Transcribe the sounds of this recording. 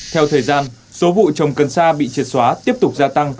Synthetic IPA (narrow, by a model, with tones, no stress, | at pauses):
t̪ʰɛ˧wt̪ʰəː˨˩jzaː˧n | so˨˦vṵ˧˨t͡ɕə˨˩wŋ͡mkə˨˩nsaː˧ɓḭ˧˨t͡ɕi˨˩t̚swaː˨˦t̪i˦˥əp̚t̪ʊ˨˩k͡p̚zaː˧t̪a˧ŋ